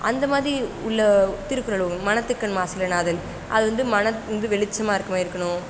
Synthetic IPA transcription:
ʔɐ̰nd̪ɐmaːðɾiʊɭːɐt̪ːɪɾɯpːɯɾɐɭɯmɐnɐt̪ːɯkːɐɳmaːsɪlɐnaːðɐl | ʔɐ̰ðɯʋɐnd̪ɯmɐnɐɐnd̪ɯʋɛɭɪt͡ʃːɐmaːɪɾɯkːɐmaːɪɾɯkːɐɳʊ̃

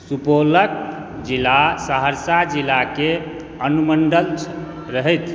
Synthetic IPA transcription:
supolək̚ | d͡ʒilasaɦəɾsad͡ʒilake | ənuməɳɖəlt͡ʃ | ɾəɦɛjt̪ʰ

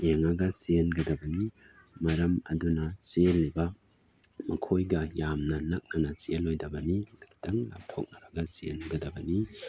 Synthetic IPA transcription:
eŋɐɡɐsienɡɐdɐbɐni | mɐɾɐmɐ̰dunɐselːibɐ | mɐkʰojɡɐjamnɐnɐk̚nɐnɐsielojdɐbɐnilɐtɐŋla̰p̚tʰok̚nɐbɐɡɐsienɡɐdɐbɐni

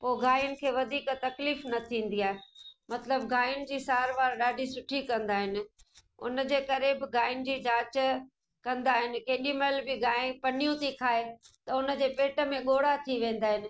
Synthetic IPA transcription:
poːɪɡaːjʊnɪ̆kʰeːʋɐd̪ʱiːkt̪ɐkliːfnɐt̪ʰĩːn̆d̪iaːɦemɐt̪ləbɡaːjʊnd͡ʑiːsaːɾʋaːɾɗaːɖʱisʊʈʰikɐ̃nd̪aːɦɪnɪ̆ʊ̰n̆d͡ʑeːkɐɾebɪɡaːɪnd͡ʑiːd͡ʑaːt͡ɕ | kɐ̃nd̪aːɦɪnɪ̆keːɗiməlbɪɡaːɪpɐnijũt̪ʰikʰaːet̪ɐʊnə̆d͡ʑeːpeːʈə̆mẽɠoːɽat̪ʰiʋẽːn̆d̪aːɦɪnɪ̆

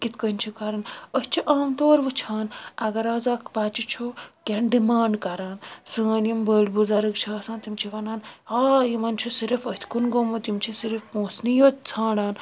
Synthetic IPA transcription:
kit̪ʰkənʲt͡ʃʰikaɾɐnəst͡ʃʰiʔaːmt̪oːɾʋɨt͡ʃʰaːnɐɡɐɾaːzaːkpaːt͡ʃit͡ʃʰokʲenɖimaːɳɖkɐɾaːnsə̃ːnimbəːɽbuzaɾɨkt͡ʃʰaːsãːnt̪imt͡ʃʰiʋɐnaːnaːjimɐnt͡ʃʰusiɾifət̪ʲʰkunɡomut̪imt͡ʃʰisiɾfpõːsnijot̪t͡sʰãːɽaːn

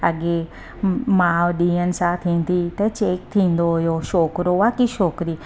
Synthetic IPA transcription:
əɡe | mãːʋɗĩːənsãːt̪ʰĩːnt̪it̪ɐt͡ʃeːk̚t̪ʰĩːn̆d̪oɦʊjoːʃoːkɾoʋaːkiʃoːkɾi

